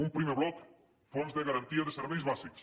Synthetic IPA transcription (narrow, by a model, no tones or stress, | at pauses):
umpɾimeβlɔk | fonzðeɣaɾɐnt̪iɐðəseɾβɛjzβaziks